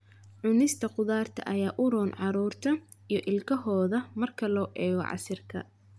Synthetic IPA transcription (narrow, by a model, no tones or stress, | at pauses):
ʕʊnɪst̪ʰɐqʊðaːrt̪ʰɐ̰ʔɐjaːʔʊɾɔːnʕɑɾuːrt̪ʰɐ | ijɞʔɪlkʰɐɦɔːðɐmɐrkʰɐlɔːʔɛːɣɔ̰ʕɑ̰sɪrkʰɐ̰